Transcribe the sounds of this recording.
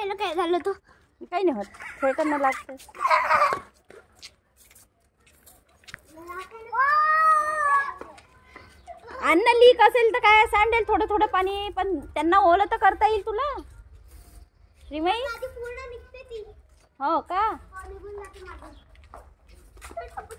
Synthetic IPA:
ɛləkajd͡zʱalət̪o | ikainaɦot̪t̪ʰet̪anːalaɡt̪ə | anːaliːkəselt̪əkajsaɳɖelt̪ʰoɽət̪ʰoɽəpaɽ̃ipəɳt̪janːamolət̪əkəɾt̪aiːlt̪ula | ɕɾiməjd̪ipuɾnanikt̪et̪i | ɦoka

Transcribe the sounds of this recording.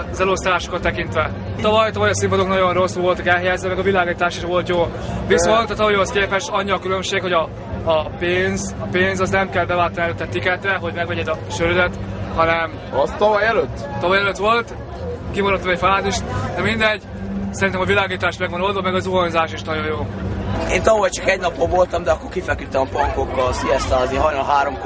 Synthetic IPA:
zɛlost̪aːʃo̥kːot̪ːɛkint̪ʋɛ | t̪ɒvɒjt̪ɒvɒjɒsimpod̪oknɒɟo̞nro̞sːulvo̞lt̪ɒkɛlɦɛjaːzvɛmɛɡɒvilaːɡiːt̪aːʃiʃʋo̞lt̪joː | visont̪ɒt̪ɒvɒjoskeːpɛʃɒɲːiɒkylø̞mʃeːkho̞ɟɒː | peːnzɒpeːnzɒznɛmkɛlbɛvaːt̪ːɔniɛløt̪ːɛt̪ːikɛt̪rɛɦo̞ɟmɛɡvɛɟɛd̪ɒʃøɾyd̪ɛt̪hɒnɛm | ɒst̪ɒvɒjɛløt̪ːt̪ɒvɒjɛløt̪ʋo̞lt̪ | kimoɾɒt̪ːɒmɛcfaːziʃt̪d̪ɛmind̪ɛɟː | sɛɾint̪ɛmɒvilaːɡiːt̪aːʃt̪mɛɡvɒnold̪vɒmɛɡɒzuɦɒnzaːʃiʃnɒɟo̞joːeːnt̪ɒvɒjt͡ʃɒkɛɟnɒpːobvolt̪ɒmd̪ɛɒkːo̞ɾkifɛkyt̪ːɛmɒpɒŋko̞kːɒlsiɛst̪aːzniɦɒjnɒɦaːɾom

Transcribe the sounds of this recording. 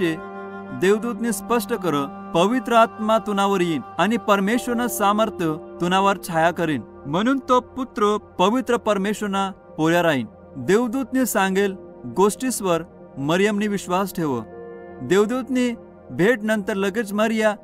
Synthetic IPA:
e | d̪eʋd̪ut̪nispəʂʈəkəɾə | pəʋit̪ɾəat̪mat̪unaʋəɾjiːnañipəɾmeɕʋəɾnasaməɾt̪ʰjət̪unaʋəɾt͡ɕʰajakəɾiːn | m̤əɽ̃uːnt̪oput̪ɾəpəʋit̪ɾəpəɾmeɕəɾna | poljaɾaɦin | d̪eʋd̪ut̪nisãŋɡel | ɡosʈisʋəɾ | məɾjəmniʋiɕʋasʈʰeʋə̰d̪eʋd̪ut̪ni | bʱeʈnənt̪əɾləɡet͡sməɾja

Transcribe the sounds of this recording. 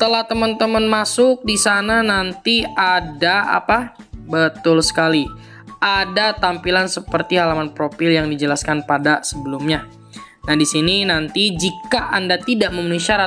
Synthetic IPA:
ət̪əlaht̪əmənt̪əmənmasʊk̚disananant̪iadaa̰pa | bət̪ʊlsə̥kali | ʔadat̪ampilansəpərt̪iɦalamanpɾofɪljaŋdid͡ʒəlaskanpadasəbəlumɲa | nahdisininant̪id͡ʒikaʔandat̪idaʔməmanusiaɾa

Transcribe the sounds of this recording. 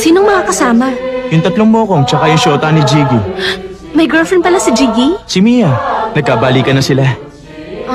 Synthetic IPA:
siːnoŋmɐŋaːkɐsaːmɐjʊŋt̪ɐt̪loŋmokomt͡ʃɐkajʊŋʃoːt̪ɐnɪd͡ʒiɡi | mɐjɡɹɛfɹɛn̚pɐlasɪd͡ʒiɡisɪmiːjɐnɐɡ̚kaːbaːlikɐnɐsɪla

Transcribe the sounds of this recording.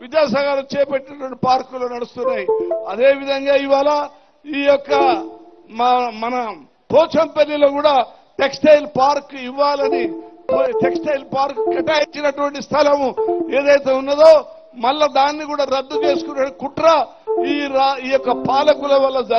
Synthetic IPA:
ʋid̪aːsɐɡaːlɐt͡ʃɛːpeʈːinɐʈuʋɐɳʈipaːɾkuloːnɐɽust̪unːaːjiɐd̪e̞ːʋid̪ʱɐŋɡaːiʋːaːla | iːjɔkːɐ | mɐnɐ | pɔːt͡ʃɐmpelːiloːkuːɽaː | ʈeksʈɐjlpaːɾkiʋːaːlɐnipʈeksʈɐjlpaːɾkkɐʈaːjit͡ʃːinɐʈuʋɐɳʈist̪ʰɐlɐme̞ːd̪ɐjt̪e̞ːunːɐd̪o̞ː | mɐlːɐd̪aːnːikuːɽaːɾɐd̪ːut͡ʃe̞ːsu̥kunɐkuʈɾɐ | iːɾaiːjɔkːɐpaːlɐkulɐʋɐlːɐd͡ʒ

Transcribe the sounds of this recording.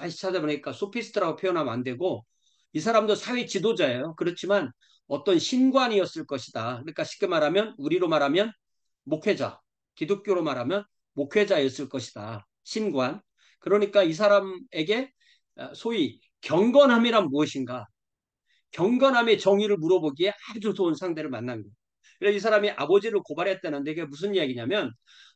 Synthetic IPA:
at͡ɕʰadeboɲik͈asʰopʰisʰɯ̥tʰɯɾaɡopʰjojʌnamandwe̞ɡo | isʰaɾamdosʰawe̞t͡ɕidod͡ʑaejokɯɾʌt͡ɕʰiman | ʌt͈ʌnɕʰinɡwaɲiʌs͈ɯɭk͈ʌɕʰidakɯnɲik͈aɕʰi̥k͈emaɾɦamjʌnuɾiɾomaɾɦamjʌn | mokʰe̞d͡ʑa̰ | kidok̚k͈joɾomaɾamjʌn | mokʰwe̞d͡ʑaiʌs͈ɯɭk͈ʌɕʰi̥da | ɕʰinɡwan | kɯɾʌɲik͈ais̬ʰaɾame̞ɡe̞ | sʰoi | kjʌŋɡʌnɦamiɾanmoʌɕʰinɡa | kjʌŋɡʌnɦame̞t͡ɕʌŋiɾɯɭmuɾʌboɡie̞ʔad͡ʑosʰounsʰaŋde̞ɾɯɭmanːanɡʌ | kieis̬ʰaɾamiʔabʌd͡ʑiɾɯɭkobaɾɦet͈enɯndeɡemus̬ʰɯnijaɡiɲamjʌn

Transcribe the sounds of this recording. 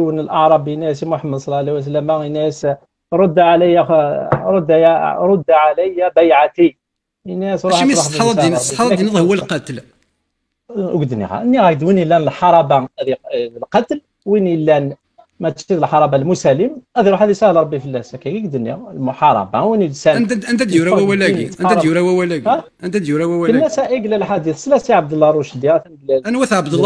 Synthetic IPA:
wənəlʔɑʕɾˤɑbinæs̬imʊħəmːəd̪sˤlːɑʕaliwæs̬lːəmæinæs | ɾˤod̪ːaʕalæjaɾˤod̪ːjɾˤod̪ːaʕalæjːæbæjʕat̪i | næsɾuɾud̪ˤsænɾsiɑˤdnəd̪ˤhwːælqɑt̪l | ɡd̪nḭɣæ̰ʔənːiɣæɡ̚d̪winilːænəlħɑɾˤɑbad̪ilqɑt̪l | winilːæn | mæt̪ʃid̪əlħɑɾˤɑbalmusæləmʔæd̪iɾuħæd̪isæhlɾˤɑbːifəlːæsækæɡiɡd̪nḭlmʊħɑɾˤɑ̰bawinilsænʔənt̪æd̪juɾæwæwælæɡiʔəɑæˤjuɾæwæwælæɡæʔənt̪æd̪juɾæwæwæənmːæsæʔiɡlːælħad̪æθslæsiʕab̚d̪əlːɑɾˤuʃd̪jiɾæt̪ænɡlælænwæθʕbd̪əlːɑ

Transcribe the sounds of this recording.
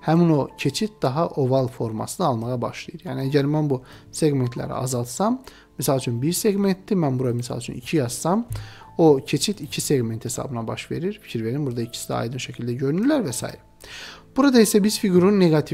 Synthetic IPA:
hæmino̞cʰe̞t͡ʃʰit̪̚d̪̥ɑɦɑʔo̞vɑlˠfo̞ɾmɑ̰sɯnɯɑlˠmɑɣɑbɑʃlˠɑjɯɾjæːniæɟæɾmænbuse̞ɡment̪ʰlæ̰ɾḭɑ̰zɑlˠt̪sɑmː | isɑlˠt͡ʃʰynbiɾse̞ɡment̪d̪imænbuɾɑmisɑ̰lˠt͡ʃʰy̰nḭcʰijɑsːɑmocʰe̞t͡ʃʰit̪ʰicʰise̞ɡme̞nt̪he̞sɑ̰bɯnɑbɑ̰ʃve̞̰ɾiɾfi̥cʰiɾve̞ɾinbuɾd̪ɑicʰi̥sid̪ɛɑ̰jd̪ɯnʃæcʰilʲd̪æɟø̞ɾynyɾlæɾvɛsɑ̰jḭɾɛ | b̥uɾɑd̪ɑisæbiz̥fiɡuɾunːeɡɑt̪ʰi

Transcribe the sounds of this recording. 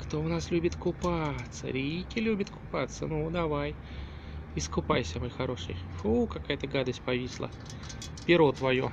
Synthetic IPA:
kt̪o̞ʊnaslʲubʲɪt̪kʊpat̪sə̰ɾʲijkʲɪlʲubʲɪt̪kʊ̥pat̪sːənud̪ɐvaj | ɪskʊpajsʲəmojxɐɾo̞ʂɨ̰jʂukɐkajət̪əɡad̪əsʲt̚ʲpɐvʲisʲlˠə̰ | pʲɪɾot̪vɐju

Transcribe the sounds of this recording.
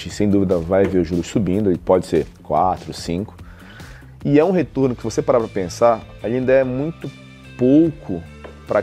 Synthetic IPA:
t͡ʃɪsẽj̃d̪uvid̪ɐvajveɾʊʒuɾʊsubĩnd̪ʊipɔd͡ʒɪseɾkwat̪ɾʊsĩkʊ̥ | ɪɛũɦet̪oɾnʊkɪsɪvosepaɾapɾɐpẽsaɾ | alĩnd̪ɐɛmũj̃t̪ʊ | powkʰʊ | pɾʔɐ

